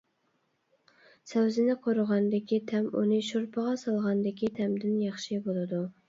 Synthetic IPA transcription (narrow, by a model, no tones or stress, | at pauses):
sɛwzɪnɪqʰoɾʊʁɑnd̪ɪkʲʰit̪ʰɛmunɨʃoɾpʰəʁɑsɑlˠʁɑnd̪ɪkʲit̪ʰɛmd̪ɪnjɑχʃibolˠɨd̪u